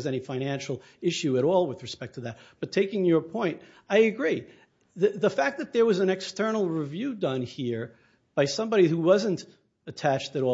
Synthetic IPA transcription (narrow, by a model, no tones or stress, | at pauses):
zɛɾ̃ifãɪ̃ñæ̃nʃl̩ˠ | ɪʃʉɨɾɔlˠwɨðɹɨspɛk̚tʰɨðɨt̚b̥ʌtʰeɪkɪ̃ŋjə˞pʰɔ̃ɪ̃nt | aɪɨɡɹi | ðɨðəfæk̚ðɨt̪̚ðə˞wʌzɨ̃nɨkstɜ˞nl̩ˠɹivjʉdʌ̃nhiɹ | b̥aɪsʌ̃mbɑɾihuwʌzɨ̃nt | ɨtʰæt͡ʃtɨɾɔ